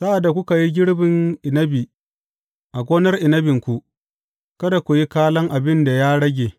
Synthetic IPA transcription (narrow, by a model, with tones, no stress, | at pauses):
sa˦ʔa˨dːa˨kʷʊ˦ka˨ji˦ɡʲɪ˦ɽbɪ˨ŋʔɪ˨nɐ˦bi˨ | ʔa˨ɡʷoː˦nɐ˦rʔɪ˨nɐ˦bɪ˨ŋkʷu˨ | kɐ˦da˨kʷu˨ji˦kaː˦lɐ˦ŋʔa˨bɪ˦nda˨jaː˦ɽɐ˦ɡʲeː˨